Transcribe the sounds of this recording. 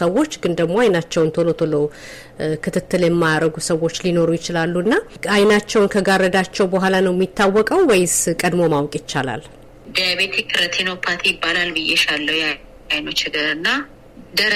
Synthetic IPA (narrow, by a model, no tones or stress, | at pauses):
səwo̞t͡ʃːɡɨnd̪əɡmo̞ajnat͡ʃːɛwnt̪ʰolo̞t̪ʰolo | kʰɨt̪ʰɨt̪ːɨljɛmːajaɾəɡusəwo̞t͡ʃːlino̞ɾujɪt͡ʃɪlalːuɨnːaajnat͡ʃːɛwnkʰəɡaɾəd̪at͡ʃːɛwbəɦʷalanəwjɛmːit̪ʰːawːɔkʼəwwɛjɪz̥kʼəd̪mo̞mawkʼjɪt͡ʃːala̰l | d̪ijaβet̪ʰekʰɨɾət̪ʰenowpʰat̪ʰijɪbːalalbɨjɛʃalːəwja | ajnot͡ʃɪɡ̪əɾɨnːa | d̪əɾ